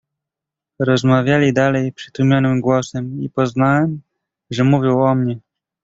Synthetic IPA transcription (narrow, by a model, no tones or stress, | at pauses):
ɾɔzmavʲjalʲid̪alɛjpʂɘ̥t̪umʲjɔnɘmɡwɔsɛmipɔznawɛm | ʐɛmuvʲjiwɔmɲɛ